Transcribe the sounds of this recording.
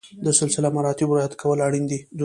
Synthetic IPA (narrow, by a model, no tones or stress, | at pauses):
d̪əsɪlsɪlamaɾɑt̪ɪbɾɑjat̪kʰawəlaɽind̪id̪